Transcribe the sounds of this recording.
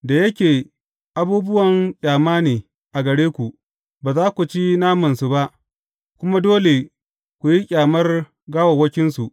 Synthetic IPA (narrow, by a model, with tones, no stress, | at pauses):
da˨jɐ˦kʲeː˨ | ʔa˦buː˦bʊ˦wɐ˨ŋkʲʼaː˨maː˦neː˨ | ʔa˨ɡɐ˨ɽeː˦kʷu˨ʔ | baː˨zaː˦kʷu˨t͡ʃi˦naː˦mɐ˨nsu˨ba˦ʔ | kʷʊ˦ma˦doː˦le˨ | kʷu˨ji˦kʲʼaː˨mɐ˦r | ɡaː˦wa˨wɐ˦kʲɪ˦nsu˨ʔ